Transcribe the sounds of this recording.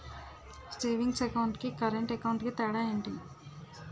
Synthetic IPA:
sʈeːʋiŋɡsekawɳʈkikɐɾeɳʈekɐwɳʈkit̪ɛːɽaːeːɳʈi

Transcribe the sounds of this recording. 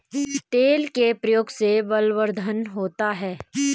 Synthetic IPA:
t̪eːlkepɾəjoːɡsebəlʋəɾd̪ʱənɦoːt̪aɦɛː

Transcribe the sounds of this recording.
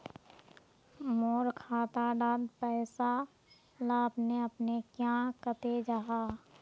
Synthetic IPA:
moːɾkʰaːt̪aɖaːd̪pɛːɪsa | laːpneəpnekjãkət̪ed͡ʒaːɦa

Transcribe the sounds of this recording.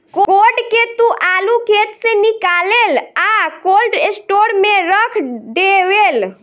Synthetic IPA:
kokoɖket̪ũʔalukʰet̪senikalelakolɖesʈoɾmeɾəkʰd̪ewel

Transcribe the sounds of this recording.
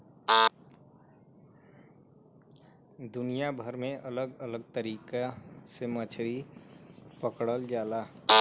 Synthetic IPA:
d̪ʊnijabʱəɾmẽʔələɡələɡ̚t̪əɾiːkasemət͡ʃʰɽi | pəkɽəld͡ʒaːla

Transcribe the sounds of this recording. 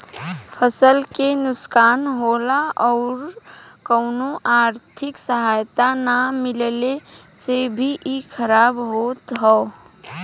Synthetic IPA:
pʰəsəlkenʊskaːnɦoːlaɔːɾ | kəʊnoʔaːɾt̪ʰɪksəɦaːjt̪anamɪlle | sebʱiʔikʰəɾaːbɦoːt̪ɦɔː

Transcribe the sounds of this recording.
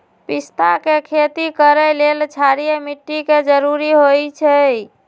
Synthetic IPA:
pist̪akekʰet̪ikəɾɛlelt͡ʃʰaɾijəmiʈːiked͡ʒəɾuɾiɦojt͡ʃʰɛ

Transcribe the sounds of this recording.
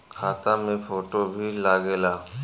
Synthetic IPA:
kʰaːt̪amẽpʰoːʈobʱilaːɡeːlaː

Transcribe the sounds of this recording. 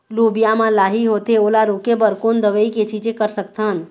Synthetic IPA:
loːbijamãlaːɦiɦot̪eoːlaɾokebəɾkoːnd̪əʋəiket͡ʃid͡ʒẽkəɾsək̚t̪ɦən

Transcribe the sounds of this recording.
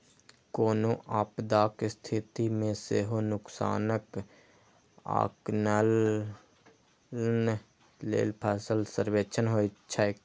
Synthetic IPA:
koːnoʔaːpd̪aːkst̪ʰit̪imẽseɦonʊksa̰ːnək | a̰ːknəl | n | lḛːlpʰaːsəlsəɾweːt͡ʃʰənɦoːit͡ʃʰae

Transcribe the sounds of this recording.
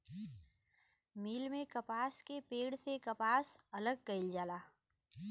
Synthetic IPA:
miːlmẽkɐpaːskepeːɽsekɐpaːsɐləɡ̚kɐɪld͡ʒaːlaː

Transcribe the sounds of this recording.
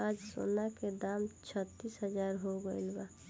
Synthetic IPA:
ad͡ʒso̰ːnaked̪amt͡ʃʰət̪ːisɦəd͡ʒaːɾɦoɡəilba

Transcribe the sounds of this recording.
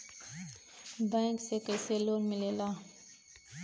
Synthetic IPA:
bɛ̃ːŋksekəjseloːnmɪlelaː

